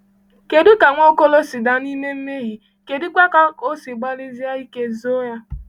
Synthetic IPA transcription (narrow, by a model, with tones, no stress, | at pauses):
ke˨du˦ka˨ŋʷo˦ko˦lo˦si˨da˨ni˦me˦m̩˦me˦ɦi˨ | ke˨di˦kʷa˦ka˨o˦si˨ɡ͡ba˦li˦zi˦a˦i˦ke˦zo˦ja˦